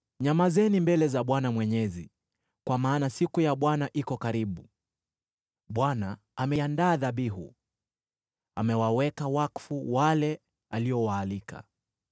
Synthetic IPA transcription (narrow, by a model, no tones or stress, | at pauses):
ɲamazɛnimbɛlɛzaɓwanamwɛɲɛzi | kwamaːnasikujaɓwanaʔikɔkaɾiɓu | ɓwana | amɛandaːðaɓiɦṵ | amɛwawɛkawakfuwalɛ | aliɔwaːlika̰